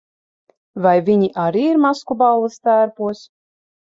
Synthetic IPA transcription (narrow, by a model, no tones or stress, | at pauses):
vajvʲiɲiʔaɾiːiɾmaskubalˠːɨst̪æːɾpuɔs